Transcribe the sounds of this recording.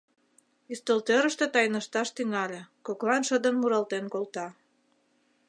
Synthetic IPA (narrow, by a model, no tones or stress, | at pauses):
ist̪olt̪øɾə̆ʃt̪ĕt̪ɑjnəʃt̪ɑʃt̪yŋɑlʲekoklɑnʃəd̪ə̆nmuɾɑlt̪enkolt̪ɑ